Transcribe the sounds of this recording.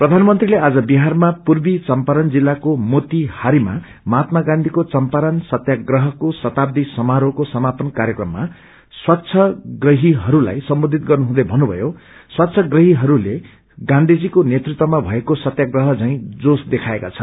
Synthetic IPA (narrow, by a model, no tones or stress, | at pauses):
prʌd̪ʱanmʌnt̪rilead͡zʌbiɦarmapurbit͡sʌmpaɾʌnd͡zilːakomot̪ihaɾima̰ | mat̪̚maɡãnd̪ʱikot͡sʌmpaɾʌnsʌt̪jaɡrʌɦʌkosʌt̪ab̚d̪isʌmaɾokosʌmapʌnkaɾjʌkrʌmːa | swatːt͡sʰʌɡrʌɦiɦʌɾula̰jsʌmbod̪ʱit̪̚ɡʌrnuɦũd̪ʌjbʱʌnːubʱʌ̰jo | swat̪ːsʰʌɡrʌɦiɦʌɾule | ɡãnd̪ʱid͡zikonet̪rit̪wʌmabʱʌekosʌt̪jaɡrʌɦʌt͡saĩd͡zosd̪ekʰaeka̰t͡sʰʌn